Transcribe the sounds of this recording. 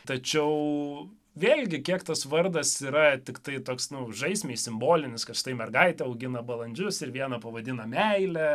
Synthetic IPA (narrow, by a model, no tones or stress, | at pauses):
t̪ɐt͡ʃʲɛʊ | ʋʲeːlʲɡʲɪkʲiɛkt̪ɐsʋɐrd̪ɐsiːɾɐt̪ʲɪkt̪ɐɪt̪oːksnʊʒɐɪsʲmʲeːɪsʲɪmboːlʲɪnʲɪskɐʃt̪ɐɪmʲɛrɡɐɪt̪ʲɛɐʊɡʲɪnɐbɐlˠɐnʲd͡ʒʲʊsɪɾʋʲiɛnɐpɐʋɐd̪ʲɪnɐmʲɛɪlʲɛ